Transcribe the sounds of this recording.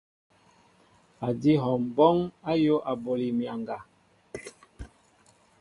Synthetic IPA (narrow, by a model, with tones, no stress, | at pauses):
a˨di˦ɦɔ˨m˨bɔ˦ŋa˦jo˦ʔa˨bo˨li˨mja˨ŋɡa˨